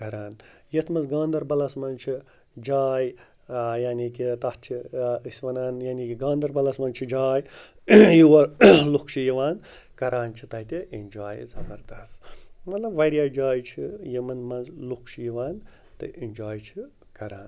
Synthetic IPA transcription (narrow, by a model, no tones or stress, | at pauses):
kɐɾaːnjet̪ʰmɐnzɡãːnd̪ɐɾbɐlɐsmɐnt͡ʃʰi | d͡ʒaːj | jaːnikit̪ɐht͡ʃʰiisʲʋɐnaːnjaːnikiɡãːnd̪ɐɾbɐlɐsmɐnt͡ʃʰid͡ʒaːj | jiwɐɾlukʰʃʰijiʋaːn | kɐɾaːnt͡ʃʰit̪ɐɦt̪ʲiʔind͡ʒaːjzɐbɐɾd̪ɐst̪mɐt̪lɐbʋɐɾijaːd͡ʒaːjt͡ʃʰijimɐnmɐnzlukʃʰjiʋaːn | t̪ɨ̰ʔinʲd͡ʒaːjt͡ʃʰi | kɐɾaːn